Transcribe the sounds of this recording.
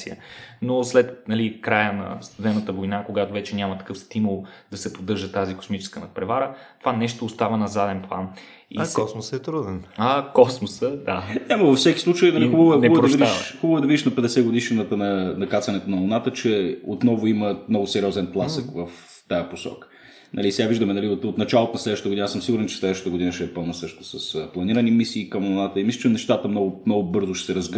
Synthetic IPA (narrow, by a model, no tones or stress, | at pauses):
siə̰noslɛt̪nɐlikɾajənɐ̰st̪ud̪ɛnət̪əvojnakoɡat̪ovɛt͡ʃɛnʲamət̪ɐ̥kɤfst̪imulˠd̪̥ɐsɛpod̪ɤɾʒət̪aziko̥smit͡ʃɛ̥skənɐt̪̚pɾɛvaɾət̪ovanɛʃt̪oːst̪avənɐzad̪ɛnplˠan | ḭɔsmosɛt̪ɾud̪ɛnɐkɔsmosəd̪aɲʲaməvɐfsɛkʲi̥sˠut͡ʃəjid̪ɐliobəvɛnɛbpɾoid̪aʃxubəvoɛd̪ɐvid̪iʃnɐpɛd̪ɛsɛɡʊd̪iʃɛnət̪ənɐnɐkat̪sɐnɛt̪onɐlˠʊnat̪ət͡ʃɛot̪nɔvʊiməmnɔɡʊsɛɾʲiɔzɛnp̪lˠasəkvəf | t̪ajəposɔ̰kə̥ | nʔɐ̰lisɛɡaviʒd̪əmɛnɐliot̪ot̪nɐt͡ʃalˠot̪onɐslɛd̪əʃt̪t̪ɡʊd̪inasɤmsiɡʊɾɛnt͡ʃɛ̥slɛd̪əʃt̪t̪əɡʊd̪inəʃɛɛpɤlˠnəsɤʃt̪ʊ̥sɐsplˠɐniɾɐnimisiːkəmlˠʊnat̪əimislʲət͡ʃɛmnɛʃt̪at̪əmnɔɡʊmnɔɡʊbɤɾzʊʃɛ̥sɛɾɐzɡ